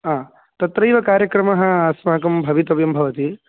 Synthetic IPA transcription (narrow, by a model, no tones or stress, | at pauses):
aː | t̪ɐt̪ɾɐjʋɐkaːɾjɐkɾɐmɐɦɐ̆aːsmɐɦɐkɐmbʱɐʋit̪ɐbjɐmbʱɐʋɐt̪i